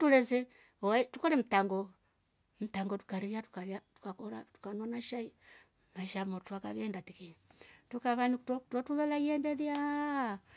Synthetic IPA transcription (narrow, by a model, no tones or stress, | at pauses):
tulɛzɛ | watukoɾɛm̩taŋɡɔ | m̩taŋɡɔtu̥kaɾiatu̥kaatu̥kakoɾatu̥kanonaʃai | maʃamotuaka̰βɛndatikitukaβanikttɔtuβɛlaijɛndɛðja